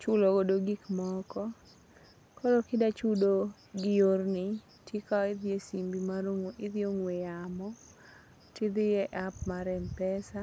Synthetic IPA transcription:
t͡ʃʊloɡodoɡikmɔkɔ | kɔɾokɪdat͡ʃudo | ɡɪjornɪ | tekaɪðjesimbimaɾoŋɪðjoŋwejamɔ | tɪd̪ɪjɛʔapmaɾɛmpɛsa

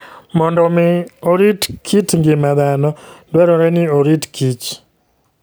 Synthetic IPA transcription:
mɔndɔmiɔɾitkʰitŋɡimaðanɔndwɛɾɔɾɛniɔɾitkʰit͡ʃ

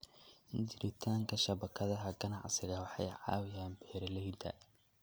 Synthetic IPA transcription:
ʔɪɲt͡ʃɪɾɪt̪ʰaːŋkʰɐʃɐβɐkʰɐðɐɦɐɡɐnɑʕsɪɣɐwɑħɑ̰jʕɑ̰ːwɪjaːnbɛːrlɛjd̪ɐ̰

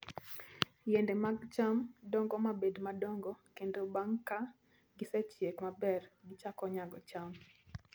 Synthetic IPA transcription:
jɛndɛmaɡt͡ʃamdɔŋɡɔmabedmadɔŋɡɔkendobaŋka | ɡɪsɛt͡ʃjekmabɛrɡɪt͡ʃakɔɲaɡɔt͡ʃam

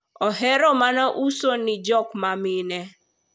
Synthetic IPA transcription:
ɔɦeɾomanaʔuson̩id͡ʒɔkmamine

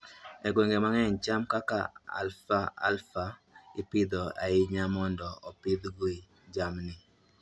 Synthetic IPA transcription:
ɛɡweŋɡemaŋɛɲt͡ʃamkaka̰a̰lfaa̰lfaɪpɪd̪ɔʔaɪɲamɔndɔɔpɪd̪ɡoi | d͡ʒamnɪ

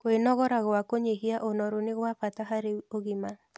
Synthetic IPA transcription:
koenɔɣɔɾaɣɔwakoɲeɦiaʔonɔɾonɪɣwapataɦaɾeoɣɪma

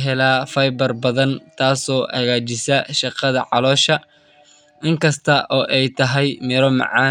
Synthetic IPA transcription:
ɦɛlaːfɐjbɐrbɐðɐnt̪ʰaːsɔːʔɐɣaːt͡ʃɪsɐʃɑqɑðɐʕɑlɔːʃɐ | ʔɪŋkʰɐst̪ʰɐʔɔːʔɛjt̪ʰɐɦɛjmɪɾɔmɑ̰ʕɑː

